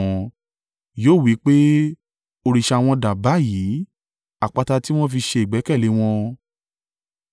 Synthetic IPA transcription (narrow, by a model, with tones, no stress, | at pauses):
ɔ̃˧ | joː˦˨wi˨˦k͡pe˦ | o˧ɾi˧˨ʃa˧˨w̃ɔ̃˧da˨ba˨˦ji˨˦ | a˨k͡pa˨˧ta˧ti˦w̃ɔ̃˦fi˧ʃe˧i˨ɡ͡bɛ˨˦kɛ˦˨le˨˦w̃ɔ̃˧